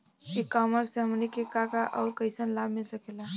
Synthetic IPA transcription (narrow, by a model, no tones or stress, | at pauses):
kikaməɾseəmnikekakaʔəʊɾkəjsənlabmilsəkela